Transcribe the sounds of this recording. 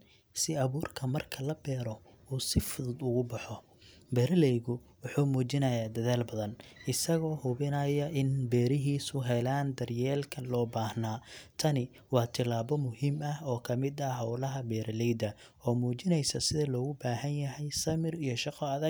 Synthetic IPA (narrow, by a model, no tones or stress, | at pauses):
sɪɐβuːrkʰɐmɐrkʰɐlɐbɛːɾɔ | uːsɪfʊðʊd̪ʊɣʊbɑħɔ | bɛːɾɐlɛjɣʊ | wʊħuːmuːt͡ʃɪnɐjaːd̪ɐðaːlbɐðɐnɪsɐɣɔːhʊβɪnɐjɐʔɪnbɛːɾɪɦiːsʊɦɛlaːnd̪ɐrjɛːlkʰɐnlɔːbaːhnaːt̪ʰɐnɪ | wɑːt̪ʰɪlaːβɔmʊhiːmɐhɔːkʰɐmɪd̪ɐɦɐwlɐɦɐbɛːɾɐlɛjd̪ɐ | ɔːmuːt͡ʃɪnɛjsɐsɪðɐlɔːɣʊbaːɦɐnjɐɦɛjsɐmɪrijɔʃɑqʰɔɐðɐ